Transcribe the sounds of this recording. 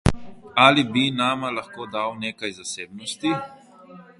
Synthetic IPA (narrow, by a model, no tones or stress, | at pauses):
aːlibinaːmalaxkoːd̪awneːkajzaseːbnɔst̪i